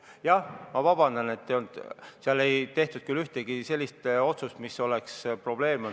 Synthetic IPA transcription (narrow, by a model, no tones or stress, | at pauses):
jɑhmɑvɑb̥ɑnd̪̥ɑne̞t̪ːeond̪̥seɑle̞jt̪e̞ht̪ud̪̥kylːyht̪eɡ̥ise̞lʲːist̪o̞t̪sust̪misːo̞lekspro̞b̥le̞ːmɑ